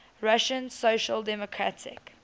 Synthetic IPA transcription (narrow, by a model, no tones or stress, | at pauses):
ɹaʃə̃nsoʃəldɛmɔkʰɹatʰɪ̰k